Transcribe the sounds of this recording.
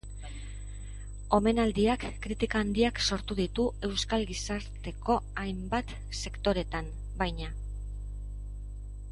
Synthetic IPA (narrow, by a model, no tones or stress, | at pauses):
o̞me̞nald̪iakːɾit̪ikaːnd̪iakso̞ɾt̪uðit̪ue̞wskalɡisaɾt̪e̞ko̞ajmbat̪ | se̞kt̪o̞ɾe̞t̪am | bajɲa